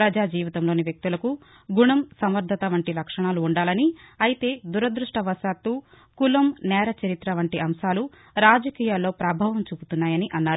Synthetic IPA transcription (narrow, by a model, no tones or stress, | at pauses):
ɾɐd͡ʒaːd͡ʒiːʋit̪ɐmloːniʋjɐk̚t̪ulɐku | ɡuɳɐmsɐmɐɾd̪ʱɐt̪ɐʋɐɳʈilɐkʂɐɳaːluːɳɖaːlɐniɐjit̪e̞ːd̪uɾɐd̪ɾuʂʈɐʋɐʃaːt̪ːu | kulɐmnɛːɾɐt͡ʃɐɾit̪ɾɐʋɐɳʈiʔɐmʃaːlu | ɾaːd͡ʒɐkiːjaːlːo̞ːpɾɐbʱaːʋɐmt͡ʃuːbut̪unːaːjɐniʔɐnːaːɾu